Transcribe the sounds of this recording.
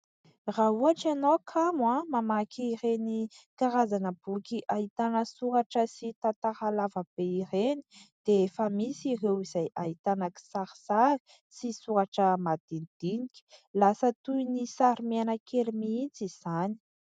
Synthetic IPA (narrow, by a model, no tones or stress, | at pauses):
raɦuaʈ͡ʂanokʰamwamamakiːrenikaɾazanəb̥ukʲiʔait̪anəsuɾaʈ͡ʂəsit̪at̪aɾalavəb̥eireni̥d̪̥eefəmisirewizajʔaɦit̪anaki̥saɾisaɾi̥ | sisuaʈ͡ʂəmad̪̥inid̪̥inikʲi̥lasət̪uinisaɾimeanakʰeɾimiit͡siz̥ani̥